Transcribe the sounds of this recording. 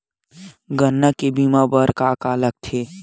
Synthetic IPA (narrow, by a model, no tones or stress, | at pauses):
ɡənːəkebimabəɾkakaːlək̚t̪ʰeː